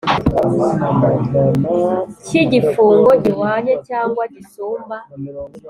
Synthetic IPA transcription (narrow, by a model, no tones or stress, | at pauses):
t͡ʃiɟifuŋɡɔɟiwaɲɛt͡ʃaːŋɡwaɟisumba